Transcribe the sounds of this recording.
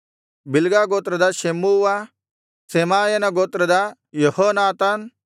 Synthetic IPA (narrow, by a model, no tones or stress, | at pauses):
bɪlɡaːɡoːt̪ɾɐd̪aʃemuːʋa | seːmaːjɐnɐɡoːt̪ɾɐd̪a | johoːnaːt̪an